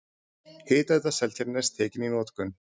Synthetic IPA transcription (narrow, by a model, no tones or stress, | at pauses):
hɪːt̪ɛt̪̬asɛlt̪ʰɛɾnɛ̥st̪ʰɛːcɪninɔːt̪kʏn